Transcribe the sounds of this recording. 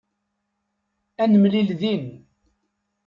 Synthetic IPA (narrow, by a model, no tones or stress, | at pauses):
ænəmlilðin